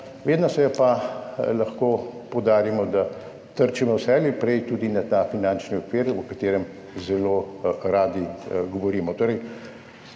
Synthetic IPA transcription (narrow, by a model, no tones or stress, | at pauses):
ʋeːd̪nɔsɛjɛpalɐxkoːpɔwd̪aːɾimɔd̪a | t̪əɾt͡ʃimɔwsɛlipɾɛjt̪uːd̪inat̪afinant͡ʃniɔkʋeːɾɔkat̪eːɾɛm | zɛloːɾaːd̪iɡɔʋɔɾiːmɔt̪oːɾɛj